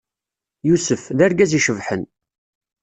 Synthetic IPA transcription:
jusəfðæɾɡæziʃəvħən

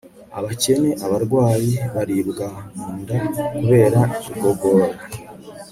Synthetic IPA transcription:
a̰βace̞ne̞ʔaβaɾɡwaːjiβaɾibɡamuːndakuβe̞ːɾaiciɡo̞ɡoɾa

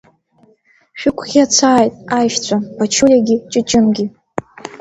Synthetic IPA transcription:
ʃᶣʊkʷʰʼχʲiat͡sʷʰaːjtʼajʃt͡sʷʰapat͡ʃʰulʲaɡʲit͡ʃʼɨt͡ʃʼɪmɡʲi

